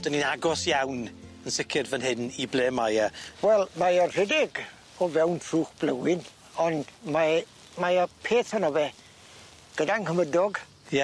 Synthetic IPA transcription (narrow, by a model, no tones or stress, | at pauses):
d̥əninaɡɔsjawnənsɪkʰɪrvənɦɪniblˠeːmajawɛlˠmajɔr̥ɛdɪɡ | ɔvɛwntʰruːχb̥ləwɪn | ɔndma | majɔpʰeːθhanɔvɛ | ɡ̥ədankʰəmədɔɡ | jɛ